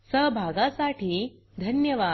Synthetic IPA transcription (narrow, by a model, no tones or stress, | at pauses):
səɦbʱaɡãsaʈiː | d̪ʱənjəʋa